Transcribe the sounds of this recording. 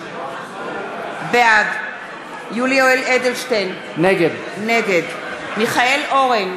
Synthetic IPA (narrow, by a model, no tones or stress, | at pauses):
bead | julioeled̪elʃten | neɡed̪ | neɡed̪ | miχaeloʁen